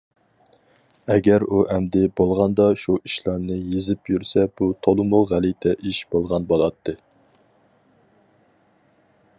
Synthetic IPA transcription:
ɛɡʲæɾuʔɛmd̪ɪbolˠʁɑnd̪ɑʃuʔiʃlˠɑɾnɨjezɪpjyɾsɛb̥ut̪ʰolˠɨmʊʁælit̪ʰɛʔiʃb̥olˠʁɑnbolˠɑt̪ʰːɨ

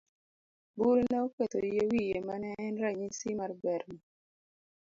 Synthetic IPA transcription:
buɾnɛoket̪ojjewijemanɛːnɾaɲisimaɾbɛɾma

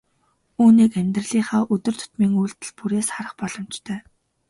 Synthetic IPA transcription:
uːniːkæmʲt̪rə̆ɮiːχaːʔɵt̪ɵ̆r̥t̪ʰʊ̥t̪miːŋuːɬt̪ɘ̆ɮpuɾeːsχaɾə̆χpɔɮ̥ɞ̆mt͡ɕt̪ʰœː

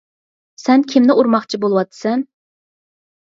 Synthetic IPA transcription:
sɛnkʲʰimnɪʔuɾmɑχt͡ʃʰibolˠɨwɑt̪ʰːɨ̥sɛn

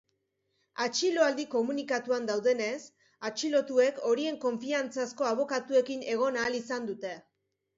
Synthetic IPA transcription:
at͡ʃilo̞ald̪iko̞munikat̪uand̪awðe̞ne̞s | at͡ʃilo̞t̪ue̞ko̞ɾie̞ŋko̞ɱfiant͡sasko̞aβ̞o̞kat̪ue̞kine̞ɣ̞o̞naːlisand̪ut̪e̞

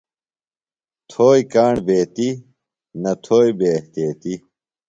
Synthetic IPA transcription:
t̪ʰoːikaːɳbeːt̪i | nɐt̪ʰoːibeːɐht̪jeːt̪i

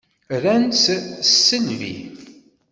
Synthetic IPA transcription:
ɾænssːənvḭ

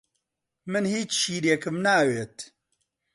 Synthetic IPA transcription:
mɨnhiːt͡ʃʃiːɾjekɨmnaːweːt̪

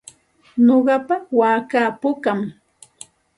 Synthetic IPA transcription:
noɢɑpawaːkaːpʊkam

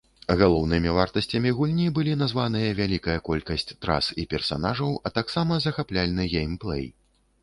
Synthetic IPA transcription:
ɣalˠɔwnɨmʲivart̪ɐsʲt͡sʲɐmʲiɣulʲnʲibɨlʲin̪azvanɨjɐvʲalʲikɐjɐkɔlʲkɐsʲt͡sʲt̪ɾa̰sipʲɛrsa̰naʐɐwɐt̪aksamɐzɐxaplʲalʲnɨɣʲejmplˠɛ̰j

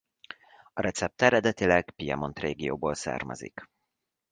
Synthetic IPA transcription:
ɒɾɛt̪sɛp̚t̪ɛɾɛd̪ɛt̪ilɛɡpijɛmo̞nt̪reːɡijoːboːlsa̰ːrmɛ̰zḭk

